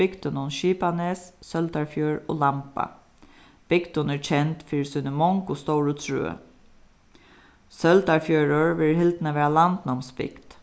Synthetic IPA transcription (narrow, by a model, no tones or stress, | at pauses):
ɪkt̪ənʊnʃiːpaneːssœld̪aɹfjøːɹo̰ːlampa̰ | b̥ɪkt̪ʊnɛɹt͡ʃʰɛnt̪fiːɹsʏnəmɔŋkʊst̪ɔʊɹʉːt̪sɹʉ̰ːə̰ | sœlt̪aɹfjøːɹəɹʋɪlhɪld̪nəʋæːɹalant̪nɔmspɪ̰kt̪